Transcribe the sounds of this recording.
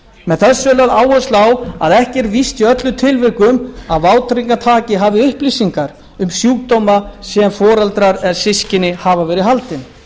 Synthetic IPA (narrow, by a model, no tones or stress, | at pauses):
mɛðθɛsʏlaðaːwhœst̪aːwa̰ðɛhcɛɾvist̪iœt̪lʏt̪ʰɪlvɪɾkʏmaðvaːwt̪ɾiŋkat̪ʰaːcɪɦaːvɪʏhplisiŋkaɾ | ʏmsjuːk̚t̪ɔwmasɛmfɔːɾalt̪ɾaɾɛðsɪscɪnɪhaːvavɛːɾɪɦalt̪ɪn